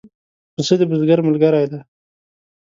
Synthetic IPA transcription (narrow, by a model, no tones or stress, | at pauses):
əsəd̪əbʊzɡaɾmalɡaɾajd̪a